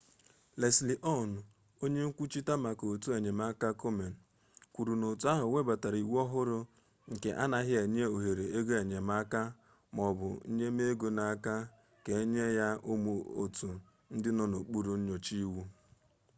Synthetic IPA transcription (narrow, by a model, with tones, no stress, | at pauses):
le˨sli˨ʔɔ˦˨n˨ | o˦ɲe˦ŋ̩˦kʷu˦t͡ʃi˦ta˦ma˨ko˨tu˦e˨ɲe˨m˦a˦ka˦ko˦me˨n̩˨ | kʷu˨ɾu˨no˨tu˨˦a˦ɦʊ˨wʷe˦ba˨ta˨ɾi˨wu˦ɔ˦ɦʊ˦ɾʊ˦ | ŋ̩˨ke˨ʔa̰˦na˨ɦɪ˦e˨ɲ˦e˦o˨ɦe˨ɾe˨e˦ɡo˦e˨ɲe˨ma˦ka˦ | m˨ɔ˨bʊ̰˨˦ɲe˦me˦ɡo˨na˨a˦ka˦ | ke˨˦ɲe˦ja˦ʊ˦mu˨o̰˨tu˨ | n̩˦dɪ˦nɔ˦no˨k͡pu˦ɾu˨n̩˦ɲo˨t͡ʃi˦wu˦